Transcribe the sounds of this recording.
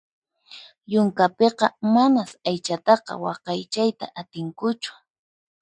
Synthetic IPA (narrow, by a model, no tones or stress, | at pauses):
jʊŋkapeqɑmanasajt͡ʃat̪ɑqɑ̰wɑqɑjt͡ʃajt̪a̰ʔat̪ɪŋkʊt͡ʃʊ̥